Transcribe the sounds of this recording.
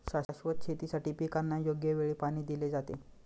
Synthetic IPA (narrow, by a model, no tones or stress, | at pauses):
ɕaɕʋət̪̚t͡ɕʰet̪isaʈiːpikanːajoɡjəʋeɭiːpaɽ̃iːd̪iled͡zat̪ḛ